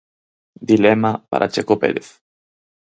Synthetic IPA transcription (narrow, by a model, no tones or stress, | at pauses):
d̪ilemapa̰ɾʔa̰t͡ʃekoped̪eθ